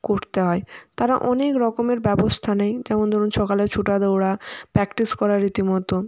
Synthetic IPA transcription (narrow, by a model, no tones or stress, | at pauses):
koɾt̪eɦɔet̪aɾaʔɔnekɾɔkomeɾbɛbost̪ʰanejd͡ʑɛmond̪ʱɔɾunʃɔkaleɾt͡ɕʰuʈad̪owɽapɾɛkʈiskɔɾaɾːit̪imɔt̪o